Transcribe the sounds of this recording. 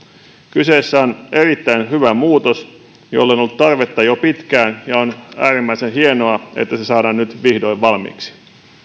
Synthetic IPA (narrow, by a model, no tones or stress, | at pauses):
kyseːsːæonʔe̞rit̪ːæinhyʋæmuːt̪os | jo̰lːenolːut̪t̪ɑrʋet̪ːɑjopit̪kæːnjɑonæːɾimːæisenhienoɑḛt̪ːæsesɑːdɑːnnyt̪ʋihdo̞jʋʋɑlmḭːksi̥